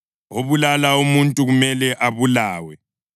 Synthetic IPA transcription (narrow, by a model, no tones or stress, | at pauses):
oβulalaumuntʼuɣumɛlɛʔaβulaːwɛ